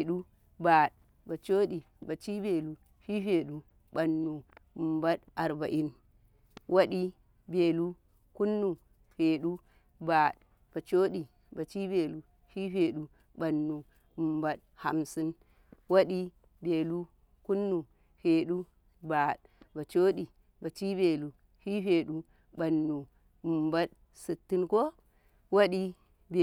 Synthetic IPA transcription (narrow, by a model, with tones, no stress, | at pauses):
e˨ɗu˦ | ba˨ɗ̚ | ba˨t͡ʃo˦ɗi˨ | ba˨t͡ʃi˦be˨lu˨ | ɸi˦ɸe˨ɗu˦ | ba˨nːu˨ba˦ɗa˨ɾba˨ʔi˦n | wʔa˦ɗi˦ | be˨lu˦ | ku˦nːu˨ | ɸe˨ɗu˦ | ba˨ | b̥a˨t͡ʃo˦ɗi˨ | ba˨t͡ʃi˦be˨lu˨ | ɸi˦ɸe˨ɗu˨ | ba˨nːu˨ | mba˦t̚ | ha̰˨msɨ˦n | wa˦ɗi˦ | be˨lu˦ | ku˦nːu˨ | ɸe˨ɗu˦ | ba˨ɗ | ba˨t͡ʃo˦ɗi˨ | ba˨t͡ʃi˦be˨lu˨ | hi˦ɸe˨ɗu˦ | ba˨nːu˨ | mba˦t̚ | sɨ˨tːɨ˦nko˦ | wo˦ɗi˦ | b